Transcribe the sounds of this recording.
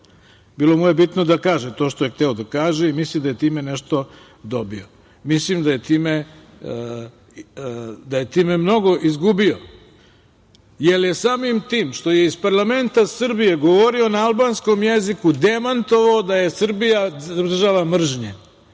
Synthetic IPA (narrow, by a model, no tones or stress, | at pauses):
biːlˠo̞muje̞bit̪nod̪akaːʒet̪o̞ːʃt̪ojext̪ɛod̪akaːʒeimislimd̪ajet̪iːmeneʃt̪o̞ | d̪o̞bḭo | mislimd̪aje̞t̪iːme | d̪aje̞t̪iːmemno̞ɡo̞ʔizɡubio | jelje̞saːmimt̪iːmʃt̪o̞jeizpaɾlˠame̞nt̪asr̩bije̞ɡoʋo̞ɾionaalˠbaːnsko̞mjezikud̪emant̪o̞ʋaod̪aje̞sr̩bijar̩ʒaʋamr̩ʒɲe